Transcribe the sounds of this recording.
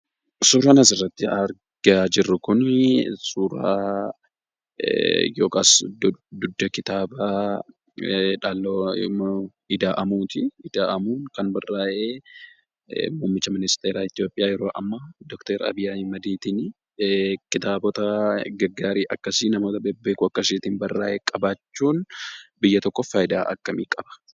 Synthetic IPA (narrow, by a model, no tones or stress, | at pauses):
suːɾɐnɐs̬ɪrːɐt̪ːɪɐɾ | ɡaːd͡ʒɪrːʊkʊnsuːɾa̰ː | jo̞ːkaːsd̪ʊd̪ːɐkɪt̪aːba | ᶑaːlːo | ɪd̪aːʔɐmuːt̪ɪɪd̪aːʔɐmuːnkɐnbɐrːaːʔeː | muːmːɪt͡ʃːɐmɪnɪst̪eːɾaːɪt̪ɪjo̞ːpʼɪjaːjɛɾo̞ːʔɐmːɐd̪ɔkt̪ɐɾɐ̰bɪjaːmɐd̪iːt̪ɪn | kɪt̪aːbɔt̪ɐɡɐɡːaːɾiːʔɐkːɐsɪnɐmo̞ːt̪ɐbɛbːe̞ːkʊɐkːɐsiːt̪ɪnbɐrːa̰ːʔeːkʼɐbaːt͡ʃːuːnbɪjːɐt̪ɔkːɔfaːjɪd̪aːʔɐ̰kːɐmiːkʼɐb̥ɐ̥